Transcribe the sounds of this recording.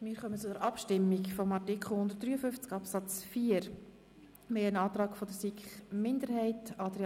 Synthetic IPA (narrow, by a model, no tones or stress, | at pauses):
mɪːɾχœmət͡sʊdəɾʔɑpʃtɪmːikfɔmɑrtikʰχl̩ˠhʊnd̪ərt̚d̥̪ɾyːəfʏft͡sɡɑpsɑt͡sfiːəɾ | meənɑːt̪rɑːkfɔdəɾsikχmɪnd̪əɾhɛɪtɑdɾe